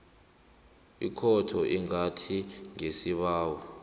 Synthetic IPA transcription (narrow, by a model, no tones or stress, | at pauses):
ikʰɔtʰɔʔiŋatʰiŋesiɓaːwɔ